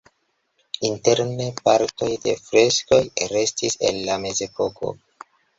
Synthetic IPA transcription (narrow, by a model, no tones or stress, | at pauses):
inte̞ɾnepaɾto̞jde̞̰fɾe̞sko̞jɾe̞stise̞̰nːame̞ze̞po̞ko̞̰